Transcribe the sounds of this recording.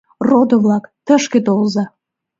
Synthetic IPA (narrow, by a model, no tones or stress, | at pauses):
rod̪ə̆βlɑkt̪əʃket̪olzɑ